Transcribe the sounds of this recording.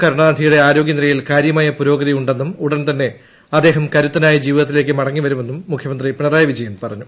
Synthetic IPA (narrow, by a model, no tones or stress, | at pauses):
kɐɾuɳaːd̪ʱijuɽe̞aːɾo̞ːɡjɐniɾɐjilkaːɾjɐmaːjɐpuɾo̞ːɡɐðijuɳɖe̞nːumuɽɐnt̪ɐnːe̞ | ɐd̪ːe̞ːɦɐmkɐɾut̪ːɐnaːjɐd͡ʑiːʋiðɐt̪ːile̞ːk̬ːɨmɐɽɐŋːiʋɐɾume̞nːumːukʰjɐmɐnd̪ripiɳɐraːjɐʋid͡ʑijenːpɐrɐɲːu